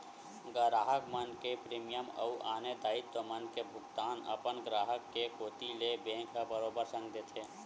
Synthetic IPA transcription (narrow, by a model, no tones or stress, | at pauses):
ɡəɾaːɦəkmɐnkepɾiːmɪjəmɐ̰uʔaːnet̪aːit̪ːomənkebʱʊkt̪aːnɐ̰pənɡɾaːɦəkːekoːt̪ilebẽːkʰabəɾoːbəɾsə̃ŋɡd̪eːt̪ʰeː